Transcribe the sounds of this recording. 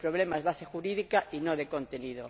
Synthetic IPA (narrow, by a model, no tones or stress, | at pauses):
pɾoβ̞lemazβasexuɾiðikaʔinoðekõnt̪eniðo